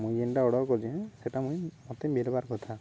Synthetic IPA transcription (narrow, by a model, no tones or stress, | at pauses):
mũjenʈaɔɽɔɾkɔd͡ʒɛ̃seʈamũjmɔt̪embelbaɾkɔt̪ʰa